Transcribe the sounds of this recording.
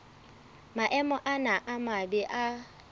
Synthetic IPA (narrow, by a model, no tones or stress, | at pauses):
maʔɛmɔʔanaʔamabɛʔa